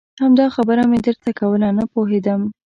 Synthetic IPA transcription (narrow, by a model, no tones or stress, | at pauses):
hamd̪ɑxabəɾamed̪əɾt̪akawəlanapoɦed̪əm